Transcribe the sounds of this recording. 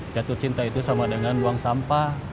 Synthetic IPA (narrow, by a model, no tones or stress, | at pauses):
t͡ʃat̪ʊt̪̚t͡ʃint̪ait̪usamadəŋanbuaŋsampa